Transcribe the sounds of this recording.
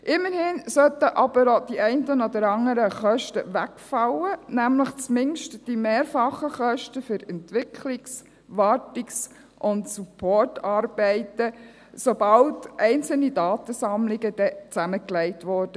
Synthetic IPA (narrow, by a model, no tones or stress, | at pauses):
ʔɪmːəɾhɪnsœt̪əʔɑb̥əɾod̥iʔɛɪntənɔd̪əɾɑŋəɾəχœʃtəʋækfɑwənæmləχt͡smɪŋʃtd̥imeːɾfɑχəχœʃtəfʏɾɛntʋɪkʰlɪks | ʋɑtɪks | ʔʊntsupʰɔɹtɑːɾb̥ɛɪtə | sobɑltʔɛɪnt͡sl̩nidɑːt̪əsɑmlɪɡəd̥ɛt͡sæməklɛɪtʋɔɾd̥ə